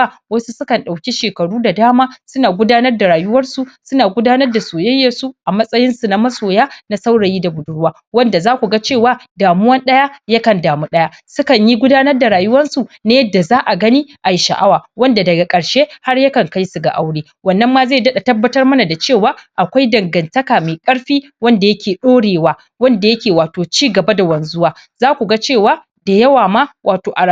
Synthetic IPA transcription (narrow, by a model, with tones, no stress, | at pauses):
wɐ˦su˦sʊ˦kɐ˨nɗa˨wkʲi˦ʃeː˨kɐ˨ɽuː˦da˨daː˦maː˦sʊ˦naː˨ɡʷʊ˦daː˦nɐ˦rda˨ɾaː˨jʊ˦wɐ˦rsu˨sʊ˦naː˨ɡʷʊ˦daː˦nɐ˦rda˨soː˨jɛ˦jːɐ˨su˦ʔa˨mɐ˦sʼɐ˦jɪ˦nsu˨na˦mɐ˦soː˨jaː˦na˦sa˦wɽɐ˨jiː˦da˨bʊ˨dʊ˦ɽwaː˦wɐ˦nda˨zaː˦kʷu˨ɡa˦t͡ʃeː˦˨waː˦daː˨mʊ˦wɐ˦nɗɐ˦jaː˦ja˦kɐ˨ndaː˨mu˦ɗɐ˦jaː˦sʊ˦kɐ˨ɲji˦ɡʷʊ˦daː˦nɐ˦rda˨ɾaː˨jʊ˦wɐ˦nsu˨na˦jɐ˦dːa˨zaː˦ʔa˨ɡɐ˦niː˦ʔa˨ji˨˦ʃa̰˨ʔa˦waː˨wɐ˦nda˨dɐ˨ɡa˨kʼɐ˨ɽʃeː˦ha˦rja˦kɐ˨ŋka˦jsu˨ɡa̰˨ʔa˦wɽeː˦ | wɐ˨nːɐ˦mːaː˦ze˦˨dɐ˦ɗa˨tɐ˦bːɐ˦tɐ˦rmɐ˦na˨da˨t͡ʃeː˦˨waː˨˦ʔa˨kʷa˦jdɐ˨ŋɡɐ˨ntɐ˦kaː˨me˨kʼɐ˦ɽɸiː˦ | wɐ˦nda˨jɐ˦kʲeː˨ɗoː˦ɽeː˨waː˦ | wɐ˦nda˨jɐ˦kʲeː˨waː˨toː˨t͡ʃiː˦ɡɐ˨ba˦da˨wɐ˨n˨˦zʊ˦waː˦ | zaː˦kʷu˨ɡa˦t͡ʃeː˦˨waː˦ | da˨jɐ˦waː˨ma˦wʔaː˨toː˨ʔa˨ɽa˦